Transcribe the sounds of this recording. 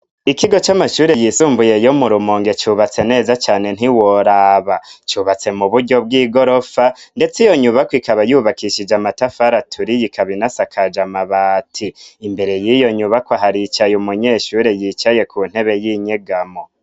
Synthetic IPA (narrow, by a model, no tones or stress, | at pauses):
ikiɡo̞t͡ʃamaʃuːɾejisuːmbuje̞jomuɾumoːŋɡe̞t͡ʃuβat͡se̞ne̞ːzat͡ʃaːne̞n̥hiwoɾaːβat͡ʃuːβat͡se̞muβuɾɟo̞b̚ɡiːɡo̞ɾo̞fande̞t͡sijo̞ɲuβakwikaβajuːβakiʃid͡ʒamatafaɾatʰuɾijikaβinasakʰad͡ʒamaβaːtʰiːmbe̞ɾe̞jijo̞ɲuβakwaɦaɾit͡ʃajumuɲeʃuːɾe̞jiːt͡ʃaje̞kʰun̥he̞βe̞jiɲeɡamo̞